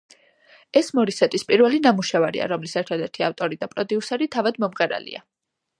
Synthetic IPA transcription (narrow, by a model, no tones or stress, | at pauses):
ɛsmɔɾisɛt̪ʼispʼiɾvɛlinamuʃɛvaɾḭa̰ɾɔmlisɛɾt̪ʰad̪ɛɾt̪ʰiaft̪ʼɔɾid̪apʼɾɔd̪iusɛɾit̪ʰavad̪mɔmʁɛɾa̰lḭa̰